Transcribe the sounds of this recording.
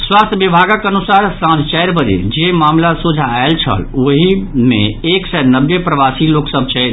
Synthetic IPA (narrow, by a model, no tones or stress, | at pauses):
swaːst̪ʰbibʱaːɡakənusaːɾsãd͡ʒʱt͡ʃɛjɾbəɾḛd͡ʒemaːmlasud͡ʒʱaelt͡ʃʰə̰loɦimḛ̃eːksɛnəbːepɾəʋaːsiloːksəbʱt͡ʃʰɛɾ